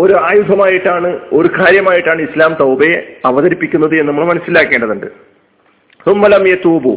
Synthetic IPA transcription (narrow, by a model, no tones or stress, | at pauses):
o̞ɾuaːjud̪ʱɐmaːjiʈːaːɳɨo̞ɾukaːɾjɐmaːjiʈːaːɳɨislaːmt̪ɐwbɐjeɐʋɐɣɐɾipːikʲːunːɐðɨenːɐmːɐɭmɐnɐsːilaːkːe̞ːɳɖɐðuɳɖɨ | sumːɐlɐmjet̪uːbu